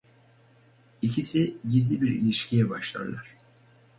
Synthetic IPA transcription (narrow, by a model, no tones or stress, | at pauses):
icʰisiɟizlʲibiɾḭlʲiʃcʰijɛbaʃlˠa̰ɾlˠaɾ̥